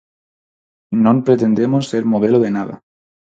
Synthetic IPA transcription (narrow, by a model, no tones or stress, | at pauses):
nõmpɾet̪end̪emosːeɾmoð̞eloðenaða̰